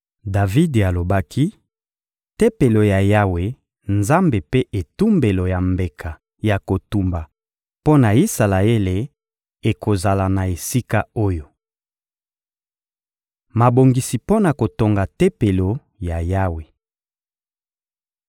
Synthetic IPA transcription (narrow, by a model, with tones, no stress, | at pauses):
da˨vi˦da˨lo˨ba˦kʰi˦ | te˦pe˨lo˨ja˨ja˦we˨ | nza˦mbe˨pe˦ʔe˨tu˦mbe˨lo˨ja˨mbe˨kʰa˨ | ja˨ko˨tu˨mba˨ | po˦na˨i˦sa˨la˨e˦le˨ | e˨ko˨za˨la˨na˨e˨si˦ka˦o˦jo˨ | ma˨bo˨ŋɡi˨si˨po˦na˨ko˨to˨ŋɡa˨te˦pe˨lo˨ | ja˨ja˦we˨